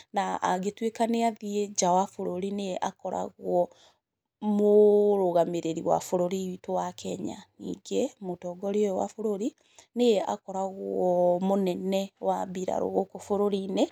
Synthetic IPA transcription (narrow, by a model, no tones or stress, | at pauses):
naʔa̰ɡetwekaneaðied͡ʒawafoɾoɾineʔa̰kɔɾa̰ɣwɔ | moɾoɣameɾeɾiwa̰foɾoɾiitowakʰɛɲa̰nḭːɡemotɔɡɔɾiojɔwa̰foɾoɾi | nea̰kɔɾaɣwɔmonɛnɛwabiɾa̰ɾo̰ɣokofoɾoɾine